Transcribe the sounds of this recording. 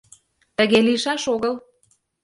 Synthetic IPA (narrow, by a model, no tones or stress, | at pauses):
t̪ə̆ɣeliʃɑʃoɣɤl